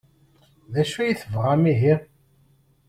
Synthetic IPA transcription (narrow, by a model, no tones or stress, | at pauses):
ðæʃujiθəvʁæmiɦi